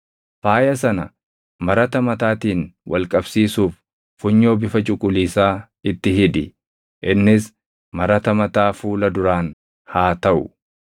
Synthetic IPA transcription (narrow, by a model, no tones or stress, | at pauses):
faːjɐs̬ɐnɐ̰ | mɐɾɐt̪ɐmɐt̪aːt̪iːnwʔɐlkʼɐbsiːsuːfː | ʊɲːo̞ːbɪfɐt͡ʃʼʊkʼʊliːsaː | ɪt̪ːɪɦɪᶑ̪ɪ | ʔɪnːɪs | mɐɾɐt̪ɐmɐt̪aːfuːlɐd̪ʊɾaːn | haːt̪ɐʔʊ̰